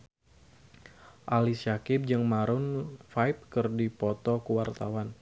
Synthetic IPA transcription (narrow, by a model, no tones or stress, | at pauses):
ʔalisakɪp̚d͡ʒɨŋmaɾʊnfajp̚kɨrdipɔt̪ɔkuwart̪awan